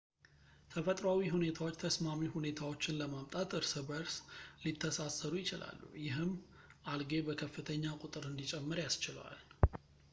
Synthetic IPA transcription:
t̪ʰəfət̪ʼɾawiɦune̞t̪ʰawo̞t͡ʃːt̪ʰəsmamihune̞t̪ʰawo̞t͡ʃːɪnləmamt̪ʼat̪ɨɾsɨbəɾslit̪ʰːəsasəɾujɪt͡ʃɪla̰lːṵjɪɦɨmː | ʔalɡe̞bəkʰəfːɨt̪ʰəɲːakʼʊt̪ʼɨɾɨnd̪it͡ʃʼɛmːɨɾjast͡ʃɪlwa̰l

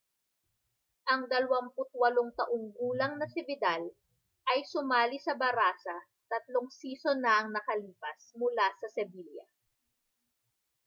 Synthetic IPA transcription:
ʔɐŋd̪ɐlɐwɐmpʊt̪̚wɐloŋt̪ɐʔoŋɡuːlɐŋnɐsɪbɪd̪al | ʔɐjsʊmaːlisɐbɐɾaːsɐ | t̪ɐt̪loŋsiːso̞nɐʔɐŋnɐkɐliːpɐsmʊlasɐsɛbiljɐ̰

